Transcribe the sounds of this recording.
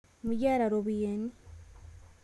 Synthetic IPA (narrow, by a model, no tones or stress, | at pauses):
muɟaːɾaɾoβujeni